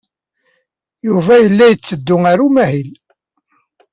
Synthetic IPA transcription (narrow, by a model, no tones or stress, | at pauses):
juvæjəlːæjət͡sːəd̪ːʊŋaɾumæhil